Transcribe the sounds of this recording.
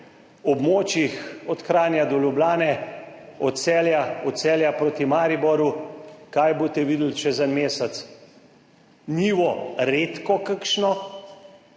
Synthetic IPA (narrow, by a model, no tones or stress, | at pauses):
ɔbmoːt͡ʃjixɔt̪xɾaːnjad̪ɔljublaːnɛ | ɔt̪sɛːljaɔt̪sɛːljapɾoːt̪imaːɾibɔɾukajbot̪ɛʋiːd̪l̩t͡ʃɛzənmeːsɛt̪s | niːʋɔɾeːt̪kɔkəkʃnɔ